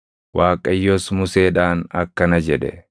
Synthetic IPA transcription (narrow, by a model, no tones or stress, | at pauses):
waːkʼɐjːoːsmʊse̞ːᶑaːnɐkːɐnɐd͡ʒɛᶑɛ̰